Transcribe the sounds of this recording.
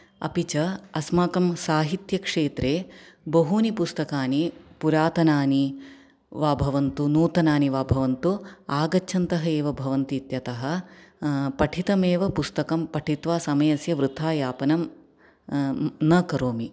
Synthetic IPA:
ɐ̰pit͡ʃɐɐsmaːkɐmsaːɦit̪jɐkʂeːt̪ɾeːbɐɦunipust̪ɐkaːnipuɾaːt̪ɐnaːni | ʋaːbʱɐʋɐnt̪unuːt̪ɐnaːniʋaːbʱɐʋɐnt̪uaːɡɐt͡ʃʰɐnt̪ɐɦɐeːʋɐbʱɐʋɐnt̪iːt̪jɐt̪ɐɦɐ̆ | pɐʈʰit̪ɐmeːʋɐpust̪ɐkɐmpɐʈʰit̪ʋaːsɐmɐjɐsjɐʋɾɨt̪ʰaːjaːpɐnɐm | nɐkɐɾoːmi

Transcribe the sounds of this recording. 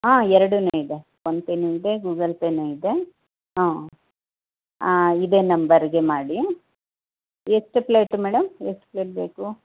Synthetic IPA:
ɦãːɛɾɐɽuneːid̪e | ʋonp̪enuid̪eɡuːɡɐlpeneid̪e̞ | ɦãː | id̪eːnɐmbɐɾɡe̞maːɽi | esʈɨplejʈːmɛːɽɐmesʈpleːʈ̚beːku

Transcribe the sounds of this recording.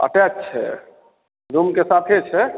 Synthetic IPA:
ə̰ʈɛt͡ʃːt͡ʃʰɛ̰ | ɾumkesat̪ʰet͡ʃʰɛ

